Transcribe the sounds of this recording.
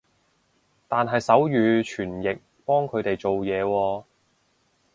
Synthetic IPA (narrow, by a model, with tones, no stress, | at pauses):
t̪aː˨nɦɐ˨jsɐ˨˥wjyː˨˧t͡ʃʰyː˨˩njɪ˨k̚ | pɔː˥ŋkʰɵ˨˧ɥt̪e˨jt͡ʃo˨wjɛː˨˧wɔː˧